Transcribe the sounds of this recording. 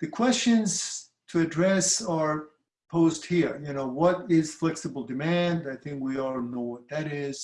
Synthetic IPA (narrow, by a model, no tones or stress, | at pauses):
ðɨkʰw̥ɛst͡ʃɨ̃nz̥ | tʰɨɨdɹɛsə˞ | pʰoʊzd̚hiɹjɨnoʊwʌɾɪz̥flɛksɨbl̩ˠdɨmæ̃ndaɪθɪ̃ŋkwilnoʊwʌt̪̚ðɨɾɪz̥